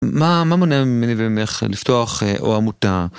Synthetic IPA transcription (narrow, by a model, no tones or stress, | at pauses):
mamamonaimenivimeχlift̪oaχeʔo̰amut̪a